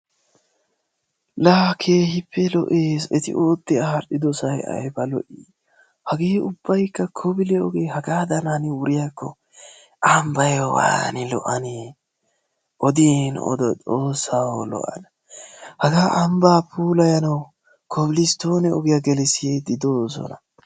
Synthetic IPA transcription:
laːkʰeːhɪpʰːɛlɔ̰ʔeːsɛt̪ɪ̰ʔoːt̪ːɪɐhɐɾɗɪd̪ɔsɐjɐ̰jbɐlɔ̰ʔi | hɐɡeːʊb̥ːɐjkːɐkʰɔbɪlɛɔ̰ɡeːhɐɡaːd̪ɐnanɪwʊɾɪjakʰːɔ | ʔɐmbɐjowa̰ːnɪlɔ̰ʔɐne | ʔɔd̪iːnɔ̰d̪ɔt͡sʼoːsːawlɔ̰ʔɐ̰nɐ | hɐɡaːʔɐmbaːpʰuːlɐjɐnɐw | kʰɔbɪlɪst̪oːnɛɔɡɪjɐɡɛlɛsɪed̪ɪd̪oːsɔ̰nɐ

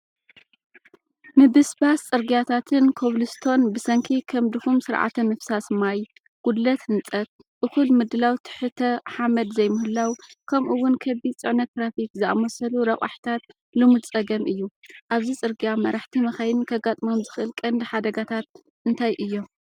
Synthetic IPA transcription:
mɨbɨsbast͡sʼɨɾɡijat̪ʰat̪ʰɨnkʰoβlɨst̪ʰo̞nbɨsɐŋkʰikʰɐmd̪ɨxumsɨɾʕa̰t̪ʰɐmɨfsasmaj | ɡ̥ud̪lɐt̪hɨnt͡sʼɐt̪̚ | ʔɨkulmɨd̪ɨlawt̪ʰɨ̥ħɨt̪ʰɐħamɐd̪zɐjmɨhɨlːawkʰɐmʔuwːʊnkʰɐbit͡sʼɨʕnɐt̪ːɾafikzɨa̰mɐsɐluɾɐχʼa̰ħt̪ʰat̪̚ | lɨmɨd̪t͡sʼɐɡɐmɨjːuʔaβzit͡sʼɨɾɡijamɐɾaħt̪ʰimɐxɐjɪnkʰɐɡat̪ʼmomzɨxʔɨlkʼɐnd̪ɨħad̪ɐɡat̪ʰat̪̚ | ɨnt̪ʰajʔɨjːo̞m

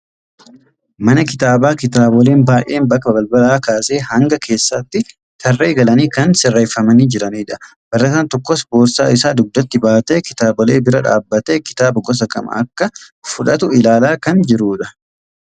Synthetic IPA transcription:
mɐnɐkɪt̪aːbaːkɪt̪aːbɔleːnbaːjʔe̞ːnbɐkːɐbɐlbɐlaːkaːse̞ːhɐŋɡɐkʰe̞ːsːɐt̪ːɪ | t̪ʰɐrːe̞ːɡɐlɐniːkɐnsɪrːeːfːɐmɐniːd͡ʒɪɾɐniːᶑɐ | b̥ɐrːɐt̪aːnt̪ɔkːɔspoːɾsaːɪsaːd̪ʊɡ̚d̪ːɐt̪ːɪbaːt̪eːkɪ̥t̪aːbɔle̞ːbɪɾɐᶑa̰ːbːɐt̪eːkɪ̥t̪aːbɐɡɔs̬ɐkʼɐ̰mɐ̰ʔɐkːɐ | fʊᶑɐt̪ʊɪlaːlaːkɐnd͡ʒɪɾuːᶑɐ̥

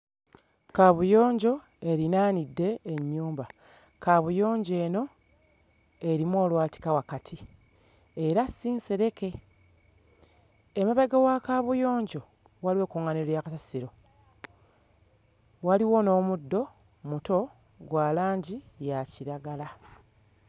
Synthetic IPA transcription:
kaβujo̞ːɲɟo̞ | e̞ɾinaːnidːe̞ːɲːuːmba | kaβujo̞ːɲɟe̞ːno̞ | e̞ɾimuo̞ːlwaːti̥kawakatʰi | e̞ɾasːiːnseɾe̞ke̞ | maβaɡawakaβujo̞ːɲɟo̞ | waliwe̞ːkuŋaneljakasasiɾo̞ | waliwo̞no̞ːmudːo̞ | muto̞ | ɡwaːlaːɲɟijaciɾaɡala

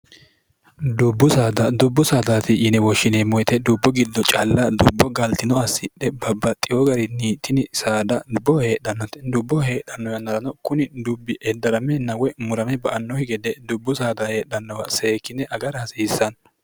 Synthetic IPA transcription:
d̪ʊbːʊsaːd̪ɐd̪ʊbːʊsaːd̪at̪ɪʔɪnɛwɔʃːɪnemɔjt̪ɛd̪ʊbːɔɡɪd̪ːɔt͡ʃʼɐlːɐd̪ʊbːɔɡɐlt̪ɪnɔɐsːɪɗɛbɐbːɐt̪ʼːɪjɔɡɐɾɪniːt̪ʰːɪnɪsaːd̪ɐdʊbɔhe̞ːɗɐnːɔt̪ɛd̪ʊbːɔhe̞ːɗɐnːɔjɐnːɐɾɐnɔkʊnɪd̪ʊbːɪʔɛd̪ːɐɾɐmɛnɐwɛmʊɾɐmɛbɐʔɐnːɔhɪɡɛd̪ɛd̪ʊbːʊsaːd̪ɐhe̞ːɗɐnːɔwɐseːkːɪnɛʔɐɡɐɾɐhɐsiːsːɐn

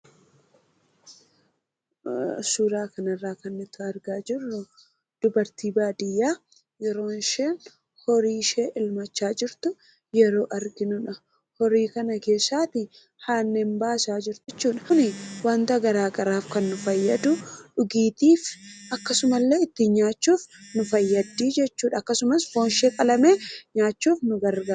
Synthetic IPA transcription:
suːɾaːkɐnɐrːaːkɐnːɪt̪ʊɐɾɡaːd͡ʒɪrːʊ | d̪̥ʊbɐɾt̪iːbaːd̪ɪjːaː | jɛɾo̞ːnʃeːn | hɔɾiːʃeːʔɪlmɐt͡ʃːaːd͡ʒɪɾt̪ʊ | jɛɾo̞ːʔɐɾɡɪnʊᶑɐ | hɔɾiːkɐnɐke̞ːsːaːt̪ɪ | haːnːembaːsaːd͡ʒɪɾt̪t͡ʃːuːᶑɐ̥nɪwɐnt̪ɐɡɐɾaːkʼɐɾaːfkɐnːʊfɐjːɐd̪ʊᶑʊɡiːt̪iːfʔɐkːɐsʊmɐlːe̞ːɪt̪ːɪɲːaːt͡ʃːuːfnʊfɐjːɐd̪ːiːd͡ʒɛt͡ʃːuːᶑɐːkːɐsʊmɐsfo̞ːnʃeːkʼɐlɐme̞ːɲaːt͡ʃːuːfnʊɡɐɾɡɐɾ

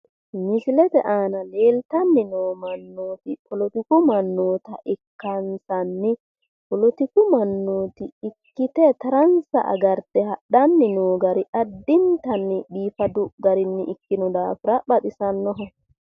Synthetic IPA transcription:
mɪsɪlɛt̪ɛʔaːnɐle̞ːlt̪ɐnːɪnoːmɐnːoːt̪ɪkʼɔlɔt̪ɪkʊmɐnːoːt̪ɐʔɪkːɐnsɐnːɪ | kʼɔlɔt̪ɪkʊmɐnːoːt̪ɪːkːɪt̪ɛt̪ɐɾɐnsɐ̰ʔɐ̰ɡɐɾt̪ɛhɐɗɐnːɪnoːɡɐɾɪʔɐd̪ːɪnt̪ɐnːɪɗiːfɐd̪ʊɡɐɾɪnːɪʔɪkːɪnɔd̪aːfɪɾɐɓɐt̪ɪsɐnːɔɦɔ

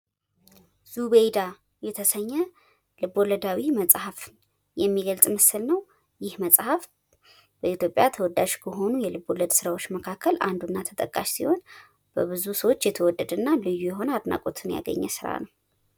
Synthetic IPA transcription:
z̥uβejd̪a | jɛt̪ʰəsəɲːɛ | lɨbo̞ləd̪awiməsʼhaf | jɛmːiɡəlt͡s̪ʼməsɨlnəw | jɪhməsʼhaf | b̥əit̪ʰjo̞pʼjat̪ʰəwɔd̪ːaʒkʰəɦo̞nujɛlɨboləd̪sɨɾawot͡ʃːməkʰakːəlʔa̰nd̪unːat̪ʰə̥t̪ʼəkʼːaʃsiho̞n | b̥əβɨzusəwot͡ʃːjɛt̪ʰəwɔd̪ːəd̪ɨnːalɨjːujɛɦo̞nəad̪na̰kʼot̪ʰɨnja̰ɡə̰ɲːɛsɨɾa̰nəw

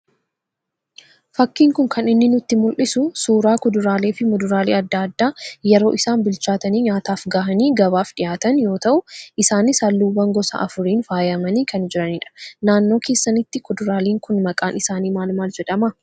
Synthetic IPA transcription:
fɐkːiːŋkʊŋkʰɐnɪnːɪnʊt̪ːɪmʊlʔɪsʊsuːɾaːkɔd̪ʊɾaːleːfɪmɔd̪ʊɾaːleːɐd̪ːaːd̪ːaːjɛɾo̞ːʔɪsaːnbɪlt͡ʃaːt̪ɐniːɲaːt̪aːfɡaːɦɐniːɡɐβaːfᶑɪjaːt̪ɐnjo̞ːt̪ɐʔʊʔɪsaːnɪsɐlːuːwɐŋɡɔsɐ̰ʔɐfʊɾiːnfaːjɐmɐniːkʰɐnd͡ʒɪɾɐniːᶑɐ̥naːnːo̞ːkʰeːsːɐnɪt̪ːɪkɔd̪ʊɾaːliːŋkʊnmɐkʼaːnʔɪsaːniːmaːlmaːld͡ʒɛᶑɐmɐ

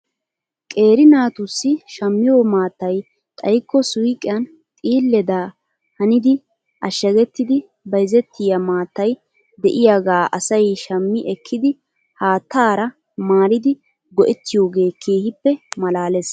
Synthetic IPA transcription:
kʼe̞ːɾɪnaːt̪ʊsːɪʃɐmːɪjoːmaːt̪ːɐj | t̪ʼɐjkːɔsʊjkʼɪjɐn | t̪ʼiːlːɛd̪aː | hɐnɪd̪ɪ | ʔɐʃːɐɡɛt̪ːɪd̪ɪ | bɐjzɛt̪ːɪjɐmaːt̪ːɐj | d̪ɛʔɪjaɡaːʔɐsɐjʃɐmːɪʔɛkʰːɪd̪ɪ | haːt̪ːaːɾɐ | maːɾɪd̪ɪ | ɡɔʔɛt̪ːɪjo̞ːɡe̞ːkʰeːhɪpːɛmɐlaːles

